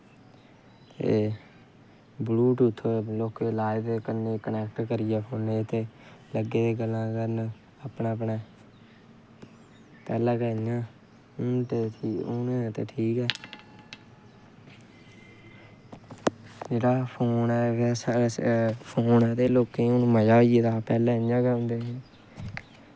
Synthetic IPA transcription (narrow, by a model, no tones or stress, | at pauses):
t̪ḛː | bluːʈʊt̪ʰːoːloːkeːlaːed̪eːkəneːkənɛːk̚ʈkəɾɪjɛːpʰoːneːt̪eːləɡeːeːɡəlːãːkəɾn | apnẽːpɳeː | t̪ɛːləːkɛːɪjãː | ʈeʈʰiːonet̪ḛːʈʰiːkɛː | d͡ʒeːɽaːpʰoːnɛːʋːsaːpʰoːnɛːt̪eːloːkẽːoñːməd͡ʒaːiːet̪aːpɛːlɛ̃ːəjãːkɛːʊ̃nd̪eːeː